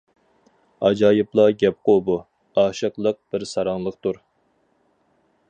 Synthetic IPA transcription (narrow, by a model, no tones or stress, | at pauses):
ɑd͡ʒɑːjɨplˠɑɡʲɛp̚qobu | ɑːʃəqlˠəq̚b̥ɪɾsɑɾɑŋlˠəqt̪uɾ